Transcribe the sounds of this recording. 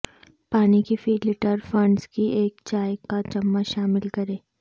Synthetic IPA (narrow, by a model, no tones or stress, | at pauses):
paːnikifiːlɪʈəɾfɐ̃ɳɖskieːkt͡ʃaːjkat͡ʃɐmːaʃaːmɪlkɐɾẽː